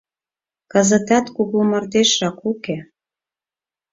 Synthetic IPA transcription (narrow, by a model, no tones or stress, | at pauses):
kəzə̆t̪ɑt̪kuɣlumə̆rd̪eʃːɑkuke